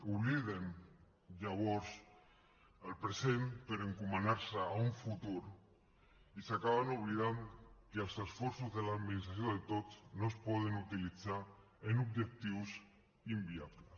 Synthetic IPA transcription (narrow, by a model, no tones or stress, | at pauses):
uβliðen | ʎaβ̞oɾs | alpɾesempeɾeŋkumanaɾsaauɱfut̪uɾ | isakaβanuβlið̞ankeelsesfoɾsuzðelaðminist̪ɾaθjoðet̪ot̪nospɔðenut̪ilit͡sa | enub̚d͡ʒek̚t̪iws | imbiaβles